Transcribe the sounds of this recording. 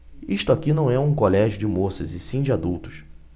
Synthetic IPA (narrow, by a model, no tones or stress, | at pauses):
iʃt̪ʊakinɐ̃w̃ɛũkolɛʒjʊd͡ʒɪmosɐzɪsĩd͡ʒɪad̪uwt̪ʊ̥ʃ